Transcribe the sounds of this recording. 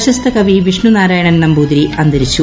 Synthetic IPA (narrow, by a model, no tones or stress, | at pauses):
ɕɐst̪ʰɐkɐʋiʋiʂɳunaːɾaːjɐɳɐnːɐmbuːd̪ɾiɐnd̪ɐɾit͡ɕːu